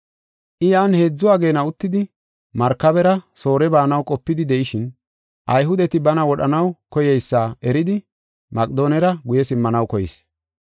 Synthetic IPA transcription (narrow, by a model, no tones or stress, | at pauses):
ʔɪjaːnhe̞ːd͡zːʊaːɡe̞ːnɐʊt̪ːɪd̪ɪ | mɐɾkːɐbɛɾɐso̞ːɾɛbaːnɐwkʼɔpːɪd̪ɪd̪ɛʔɪʃɪn | ʔɐjɦʊd̪ɛt̪ɪbɐnɐwɔɗɐnɐwkɔjɛjsːaːʔɛɾɪd̪ɪ | mɐkʼd̪o̞ːnɛɾɐɡʊjɛsɪmːɐnɐwkɔjɪ̰s